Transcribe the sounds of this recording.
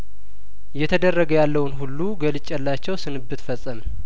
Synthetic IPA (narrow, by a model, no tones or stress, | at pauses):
jɛt̪ʰəd̪ərːəɡəjalːəwnɦulːuɡəlɨt͡ʃʼːɛlːat͡ʃːɛwsɨnɨbːɨt̪fəsʼəm